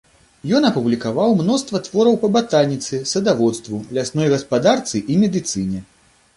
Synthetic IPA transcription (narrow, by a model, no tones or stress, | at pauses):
jɔnɐpublʲikavawmnɔst̪vɐt̪vɔɾɐwpɐbat̪alʲnʲit̪sɨsɐd̪avɔt̪st̪vulʲasnɔjɣɐspad̪art̪sɨʔimʲɛd̪ɨt̪sɨnʲɛ